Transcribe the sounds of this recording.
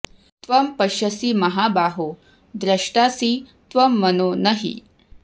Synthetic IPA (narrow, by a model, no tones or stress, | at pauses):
t̪ʋɐmpɐʃɐsimɐɦaːbaːɦo | d̪ɾɐʂʈasiːt̪ʋɐmːɐnoːnɐɦḭ